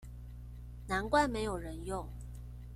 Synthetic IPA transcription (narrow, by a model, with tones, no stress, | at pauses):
na˧˥nkwa˥˩ɪme˧˥ɪjo˨˩ʊɻə˧˦njʊ˥˩ŋ